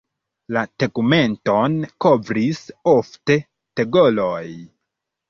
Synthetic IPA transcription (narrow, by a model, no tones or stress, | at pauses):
latekume̞nto̞nko̞vɾisofte̞ | teɡoloj